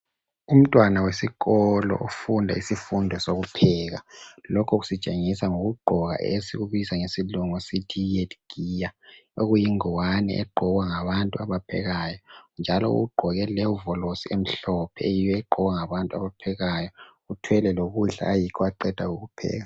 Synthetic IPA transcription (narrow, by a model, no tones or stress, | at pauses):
um̩tʼwanawesiɣɔlɔ̰ʔufundʱaisifundʱɔsoɣupʰɛːɣalɔkʰɔɣusit͡ʃʼeŋisaŋoɣuɡ͡ǃʱɔɣa̰ʔesiɣuβisaŋesiluŋɔsitʰietʰɡ̥ijaoɣujiŋiwanɛ̰ʔɛ̰ɡ͡ǃʱɔɣwaŋaβantʼuaβapʰɛ̰ɣajɔnd͡ʒʱalɔ̰ṵɣuɡ͡ǃʱɔɣɛlɛvɔlosiem̩ɬɔpʰɛejijɛɡ͡ǃʱɔɣwaŋaβantʼua̰βapʰɛɣajɔɣutʰwɛlɛloɣuɮa̰ːjikʰɔaǃɛd̥ʱaɣuɣupʰɛ̰ːɣa